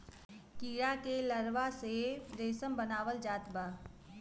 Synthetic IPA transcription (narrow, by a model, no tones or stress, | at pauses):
kiːɽakeləɾʋased̪eːsəmbənaːʋəld͡ʒaːt̪baː